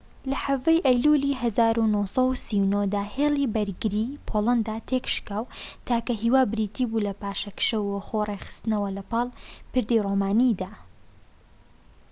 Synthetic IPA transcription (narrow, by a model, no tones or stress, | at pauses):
lɐħɐvɐjʔɐjluliɦɐzaːɾunosɐwsiwnod̪aːheːlˠibɐɾɡɨɾiːpʰolˠɐnd̪at̪ʰekʃkaːwt̪ʰaːkɐɦiwaːbɾiːt̪ʰibulɐpaːʃɐkʃɐwːɐxorexɨ̥st̪ɨnɐwɐlɐpɑːlˠpɨɾd̪iroːmaːnid̪aː